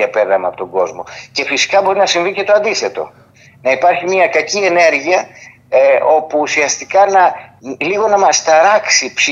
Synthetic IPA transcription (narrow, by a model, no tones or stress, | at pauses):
ɐpeɾðɐmeɐpot̪o̞ŋɡo̞zmo̞̰ce̞fisi̥kɐbo̞ɾinɐsiɱvice̞t̪o̞ɐnd̪iθe̞t̪o̞̰ | nɐipɐɾçimiɐkɐcie̞ne̞ɾʝiɐ | o̞puːsiɐst̪ikɐnɐliɣo̞nɐmɐst̪ɐɾɐksipsi